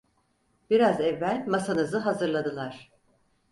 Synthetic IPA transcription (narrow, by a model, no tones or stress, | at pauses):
b̥iɾazɛvːælʲmasanɯzɯɦazɯɾlˠad̪ɯlˠaɾ̝̥